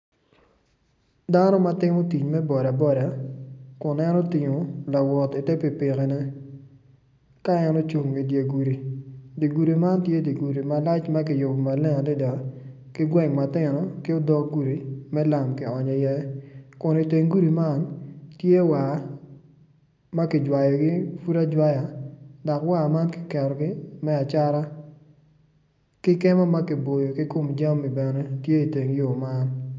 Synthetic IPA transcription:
da˦nɔ˦ma˦tɪ˦mo˦ti˨ɲmɛ˦bɔ˨ɾa˨bɔ˦ɾa˨kʊ˨nɛ˦nɔ˦tɪ˨ŋo˨la˨wɔ˨ti˨tɛ˦pi˨pɪ˨ke˨nɛ˦ | ka˦ɛ˦nɔ˦t͡ʃu˨ŋɡi˨dje˨ɡu˨ɾi˨di˨ɡu˨ɾi˨ma˦ntje˦di˨ɡu˨ɾi˨ma˨la˦t͡ʃma˦kɪ˨jo˨bo˨ma˨lɛ˦a˨dɛ˦da˨ | kɪ˦ɡwɛ˦ŋma˨tɪ˦nɔ˦kɪ˦o˦dɔ˦kɡu˦ɾi˨mɛ˦la˨mkɪ˨ɔ˨ɲɔ˨jɛ˦kʊ˨nɪ˨te˨ŋɡu˦ɾi˨ma˦˨ntje˦wa˨ | ma˦kɪ˨d͡ʒwa˨jɔ˨ɡɪ˦fu˦ɾa˦d͡ʒwa˦ja˨da˨kwa˦˨ma˦nkɪ̥˨kɛ˨ɾɔ˨ɡɪ˦mɛ˦a˨t͡ʃa˦ɾa˦ | kɪ˦kɛ˦mɔ˦ma˦kɪ˨bo˨jo˨kɪ˦ko˦md͡ʒa˦mi˨bɛ˨nɛ˦tje˦i˨te˨ŋjo˨ma˦n

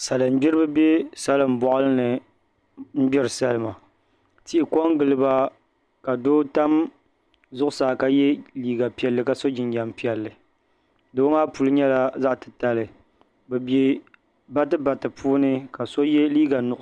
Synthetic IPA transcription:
sa˨lɨ˨m̩˦bɪ˦ɾɨ˦bɨ˦be˦sa˦lɨ˨m˨bɔ˨ʔʊ˦lɨ˦nɨ˨ | m̩˦bɪ˦ɾɨ˨sa˦lɨ˦ma˨ | ti˨ʔɪ˨ko˦ŋɡɨ˨lɨ˦ba˦ | ka˨doː˦ta˦m | zʊ˦ʔʊ˦saː˨ka˨jɛ˦liː˦ɡa˨pi˨ɛ˨lːɨ˨ka˨so˦d͡ʒɪ˨nja˨mpi˨ɛ˨lːɨ˨ | doː˦ŋaː˦pu˨lɨ˦ɲɛ˦la˦za˦ʔtɨ̥˨ta˨lɨ˨ | bɛ˨be˦ | ba˦tɨ˦ba˨tɨ˨pʰuː˦nɨ˦ka˨so˦jɛ˦liː˦ɡa˨nʊ˨ʔ

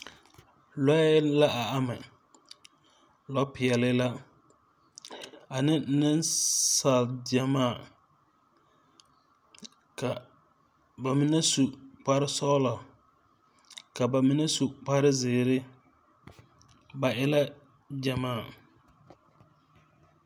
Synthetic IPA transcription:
lɔ˦la˦ʔa˨a˦mɪ˨ | lɔ˦pɪ˨ɛ˨lɪ˦la˦ | a˨nɪ˦nɪ˦nsa˨ld͡ʒɛ˨maː˦˨ | ka˨ | ba˨mi˦nɛ˦su˨k͡pa˦ɾɪ˦sɔ˦lɔ˨ | ka˨ba˨mɪ˦nɛ˦su˨k͡pa˦ɾɪ˦zɪː˨ɾɪ˦ | ba˨ʔɪ˦la˦ | d͡ʒa˨maː˦˨

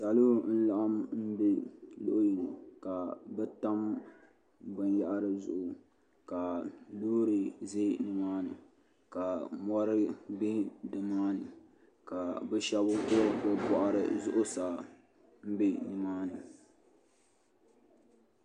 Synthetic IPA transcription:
sa˨lo˦n̩˦la˨ʔa˦mm̩˦be˦lo˦ʔʊ˦ji˨nɨ˨ka˨bɛ˦ta˦m | bɨ˨nja˦ʔa˦ɾɨ˨zʊ̰˨ʔʊ˨ | ka˨loː˦ɾɨ˨ze˦nɨ˨maː˦nɨ˨ | ka˨mɔ˦ɾɨ˦bi˦dɨ˨maː˦nɨ˨ | ka˨bɛ˦ʃɛ˦bʊ˦kʊ˦bɛ˦bɔ˨ʔa˦ɾɨ̰˨zʊ˦ʔʊ˦saː˨ | m̩˦be˦nɨ˨maː˦nɨ˨

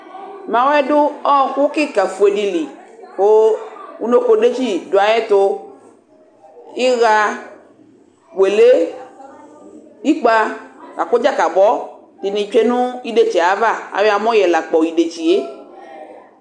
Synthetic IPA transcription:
mã˨wɛ˦dʊ˦ɔ˦˨ku˦kɪ˦ka˨fu˨e˨ɖi˨li˨wo˦u˦no˦ko˨ɖe˦t͡ʃi˦do˨a˨jɛ˦t̪o˦ | i˦ɣa˧ | we˨le˦ | i˦k͡pa˦ka̰˨ko˦d͡ʒa˦ka˨bɔ˦ | t̪i˨nĩ˨t͡ʃe˦nũ˦i˦ɖe˨t͡ʃɛ˨a˨˦va˦˨a̰˨we˦a˨mɔ̃˦jɛ˨la˨k͡pɔ˨i˨ɖe˨t͡ʃi˨je˦

